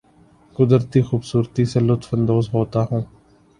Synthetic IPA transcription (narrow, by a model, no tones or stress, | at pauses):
kʊd̪ɾət̪iːxuːbsuːɾt̪iselʊt̪fənd̪oːzɦoːt̪aːɦũː